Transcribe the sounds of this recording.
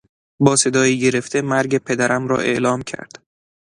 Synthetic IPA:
bɒːse̞d̪ɒːjiːɟe̞ɾe̞ft̪ʰe̞mæɾɟe̞pʰe̞d̪æɾʔæmɾɒ̰ːʔe̞̰ʔlɒːmcʰæ̰ɾd̪̥

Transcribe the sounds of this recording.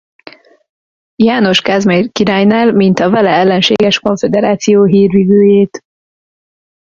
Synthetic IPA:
jaːno̞ʃkɛzmerkiɾaːjnaːlmint̪ɒvɛlɛɛlːɛnʃḛːɡɛʃko̞ɱfed̪ɛɾaːt̪sijoːɦiːrʋiːvøːjeːt̪

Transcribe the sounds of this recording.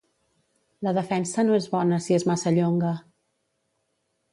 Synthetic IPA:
ləðəfɛnsənoezβɔnəsiezmasəʎoŋɡə

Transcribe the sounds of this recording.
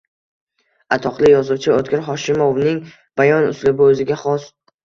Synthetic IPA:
at̪ʰɒqlˠɪjɒzʊwt͡ʃʰɪot̪̚kʲɪɾɦɒʃɪmovnɪŋ | b̥ajɒnʊ̰slɪbɪɵzɪɡʲaχɒs

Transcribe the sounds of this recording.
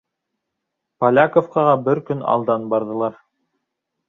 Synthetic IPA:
pɐlʲakofqɑʁɑbɘɾkɵnɑ̰lˠd̪ɑnbɑɾðɤ̆lˠɑɾ

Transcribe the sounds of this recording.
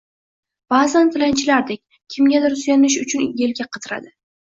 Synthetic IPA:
b̥azant̪ʰɪlant͡ʃʰɪlaɾd̪ekʲ | kʲʰɪmɡʲad̪ɪɾsʊjanɪʃʊt͡ʃʰʊnje̞lɡʲaqʰɑt̪ʰɪɾa̰d̪ɪ

